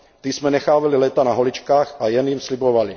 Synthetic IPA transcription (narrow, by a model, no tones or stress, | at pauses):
t̪ismɛnɛxaːvalilɛːt̪anaɦolit͡ʃkaːxajɛnjimslibovali